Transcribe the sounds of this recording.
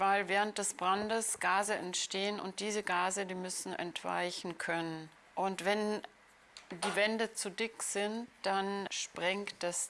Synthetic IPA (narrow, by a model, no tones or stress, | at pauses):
vaɪlvɛːʁənt̚d̥ɛsb̥ʁandəsɡ̥aːzəɛntʃteːənʊ̰nt̚d̥iːzəɡaːzədiːmʏsn̩ʔɛ̰ntv̥a̰ɪçn̩kʰœnən | ʔʊntv̥ɛn | diːvɛndət͡sudɪkz̥ɪntd̥anʃpʁ̥ɛŋkt̚d̥as